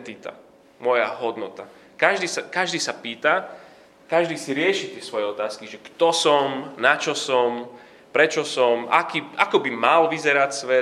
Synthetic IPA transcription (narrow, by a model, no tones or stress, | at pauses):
t̪it̪a̰ | mɔjaɦɔd̪nɔt̪a | kaʒd̪iːsakaʒd̪iːsapiːt̪a | kaʒd̪iːsiɾɪɛʃit̪ɪɛsʋɔjɛɔt̪aːskiʒɛkt̪ɔsɔmnat͡ʃɔsɔm | pɾɛt͡ʃɔsɔma̰kiːakɔbimalʋizɛɾacsʋɛ